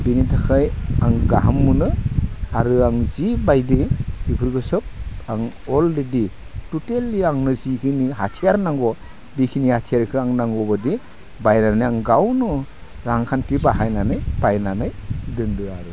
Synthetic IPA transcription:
binitʰakʰajaŋɡaɦamːɯnɯaɾɯaŋzibajdiibʰɯɾɡɯsɯp̚aŋɔlɾeditutelːiaŋnɯzikʰiniɦatʰiaɾnaŋɡɔ | bikʰinihatʰiaɾkʰɯaŋnaŋɡɔbɯdi | bajnanɯjaŋɡawnɯ | ɾaŋkʰantibaɦajnanɯjbajnanɯjdɯndɯaɾɯ

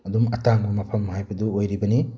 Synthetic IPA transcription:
ɐd̪umɐtaŋbɐmɐpʰɐmhajbɐd̪uojɾibɐni

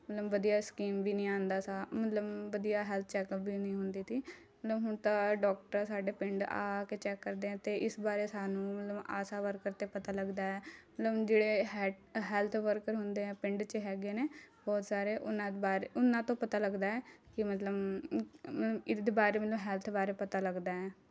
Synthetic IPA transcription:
mət̪ləbʋəd̪ijaːskiːmʋiːnĩːãːnd̪aːsaːmət̪ləbʋəd̪ijaːɦɛːlt̪ʰt͡ʃɛːkəpbiːnĩːɦʊnd̪iːt̪iː | mət̪ləbɦʊnt̪ãːɖɔːk̚ʈəɾsaːɖeːpɪɳɖa̰ːkeːt͡ʃɛːkːəɾd̪eːɦɛ̃ːt̪eːʔɪsbaːɾeːsaːnũːmət̪ləba̰ːsaːʋəɾkəɾt̪eːpət̪aːləɡd̪aːɛːmət̪ləbd͡ʒeːɽeːɦɛɦɛːlt̪ʰʋəɾkəɾɦʊnd̪eːɛ̃ːpɪɳɖt͡ʃɦɛːɡeːneːbɔːt̪saːɾeːʔʊnãːbaːɾeʊnãːt̪õːpət̪aːləɡd̪aːɛːkɪmət̪ləb | mət̪ləbɪd̪baːɾeːmət̪ləbɦɛːlt̪ʰbaːɾeːpət̪aːləɡd̪aːɛː

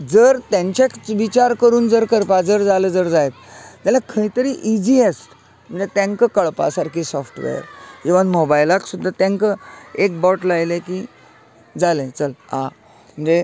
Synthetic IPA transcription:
d͡zəɾt̪ãɲt͡ɕekʋit͡ɕaɾkəɾuːnd͡zəɾkəɾpad͡zəɾd͡zaləd͡zəɾd͡zajt̪̚t̪alakʰəit̪əɾiːʔid͡ʑiesʈ | m̤əɳd͡zet̪ẽŋkəkəɭpa̰saɾkisɔfʈʋḛɾkeʋanmɔbajlaksud̪ʱːat̪ɛ̃ŋkəek̚bɔʈlajleki | d͡zalẽt͡səla | m̤əɳd͡ze

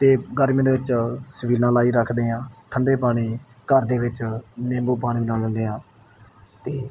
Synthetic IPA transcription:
t̪eːɡəɾmẽd̪eːʋɪt͡ʃsəʋiːlãːlaːiːɾəkʰd̪eːãːʈʰəɳɖeːpaːɽ̃iː | kəɾd̪eːʋɪt͡ʃnẽːmboːpaːɽ̃iːbənaːlənd̪eːãː | t̪eː

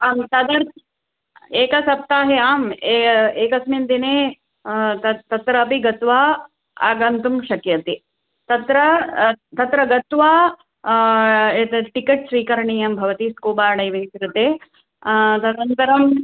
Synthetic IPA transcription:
aːmt̪ɐd̪ɐɾ | eːkɐsɐp̚t̪aːɦeaːmeeːkɐsmind̪ineː | t̪ɐt̪ɐt̪ɾɐːpiɡɐt̪ʋaː | a̰ːɡɐnt̪umʃɐkjɐt̪i | t̪ɐt̪ɾɐt̪ɐt̪ɾɐɡɐt̪ʋaː | eːt̪ɐʈikeʈ̚sʋiːkɐɾɐɳiːjɐmbʱɐʋɐt̪iskoːbaːɽɐjʋɐnsɾut̪eː | t̪ɐd̪ɐɾɐnt̪ɐɾɐm

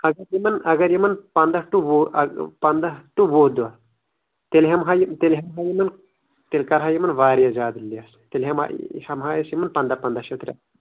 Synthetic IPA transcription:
ɐɡɐɾjimɐnɐɡɐɾjimɐnpɐnd̪ɐʈuʋo̰pɐnd̪ɐʈuʋoːd̪uɐ | t̪elɦɐmɦajit̪elɦɐmɦaːjimɐn | t̪elʲkɐɾɦaːjimɐnʋaːɾjad͡ʒaːd̪lːias | t̪elɦɐma̰hɐmɦaːjɐsjimɐnpɐnd̪ɐpɐnd̪ɐʃɐt̪ɾʲa̰

